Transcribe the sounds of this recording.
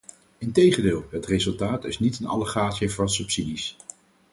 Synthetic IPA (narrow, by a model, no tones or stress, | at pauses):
ɪntejχəndɪːlˠɦətrezɵlˠtaːtɪ̰snitənɑ̰ləχaːtsəvɑnsɵpsidis